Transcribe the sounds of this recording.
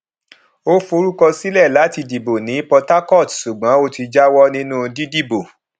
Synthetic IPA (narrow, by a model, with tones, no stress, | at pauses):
o˦fo˧ɾu˦kɔ˧si˦lɛ˦˨la˨˦ti˧di˨bo˨nĩ˨˦pɔ˧ta˦kɔ˦˨tsu˨ɡ͡bã˨˦o˦ti˧d͡ʒa˦wɔ˦nĩ˦nũ˦di˦di˦˨bo˨